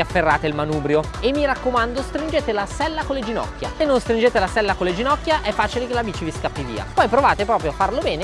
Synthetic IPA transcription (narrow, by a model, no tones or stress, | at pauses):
afːerːaːt̪eilmanuːbɾjo | emːiɾakːomand̪ost̪ɾind͡ʒeːt̪elasɛlːakolːed͡ʒinɔ̰kːjasenːonst̪ɾind͡ʒeːt̪elasɛlːakolːed͡ʒinɔkːjaʔɛfːaːt͡ʃilekelaviːt͡ʃiviskapːivḭːa̰pɔjpɾovaːt̪epɾɔːpɾjoafːarlobɛːne